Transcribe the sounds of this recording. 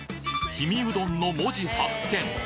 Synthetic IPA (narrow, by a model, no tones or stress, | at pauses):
çimʲiɯ̟d̪õ̞nːo̞moʑihakːẽ̞ŋ